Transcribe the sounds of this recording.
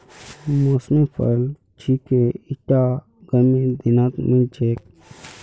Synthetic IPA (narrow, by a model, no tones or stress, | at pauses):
mosmẽpʰə̰l | t͡ʃʰikeiʈa | ɡ̥əmẽd̪inat̪mə̃d͡ʒek̚